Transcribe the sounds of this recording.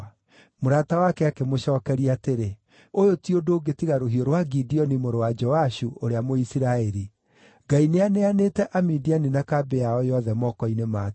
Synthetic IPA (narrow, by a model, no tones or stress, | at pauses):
moɾaːtawakɛakemoʃɔːkɛɾiateɾe | ojotiodoɡetiɣaɾoɦioɾwaɡidiɔnimoɾowad͡ʒɔaʃuoɾeamoisiɾaɛɾi | ɡaineaneanetɛʔamidianinakabeaɔjɔðɛmɔkɔinema